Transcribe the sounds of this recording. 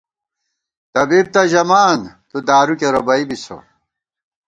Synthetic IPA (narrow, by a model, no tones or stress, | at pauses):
t̪ɐbib̚t̪ɐʑɐmaːnt̪ud̪aːɾukeɾobɐibiso̰